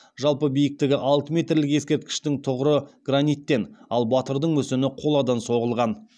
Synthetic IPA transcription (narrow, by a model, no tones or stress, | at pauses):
ʒɑlˠpəbijɪk̚t̪ɪɡʲɪʔɑlˠt̪əme̞t̪rlɪke̞skʲe̞ɾt̪̚kʲɪ̥ʃt̪ɪŋt̪ʰʊʁəɾəɡ̥ranijt̪ːe̞nɑlˠbɑt̪əɾd̪əɴmɵsɪmɪqʰo̞lˠɑd̪ɑnso̞ʁəlˠʁɑn